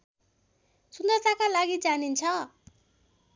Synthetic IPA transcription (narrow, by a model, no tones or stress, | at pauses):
sund̪ʌrt̪akalaɡid͡zanint͡sʰʌ